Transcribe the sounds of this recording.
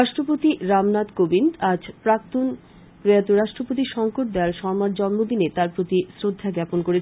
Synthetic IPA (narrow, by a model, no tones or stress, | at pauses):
ɾaʃʈɾopot̪iɾamnat̪kobind̪ad͡ʑpɾak̚t̪on | pɾojat̪oɾaʃʈɾopot̪̬iʃɔŋkoʈ̚d̪eaɾʃɔmaɾd͡ʑɔnmod̪inet̪aɾpɾot̪isɾod̪ʱːaɡɛponkoɾet͡ɕʰ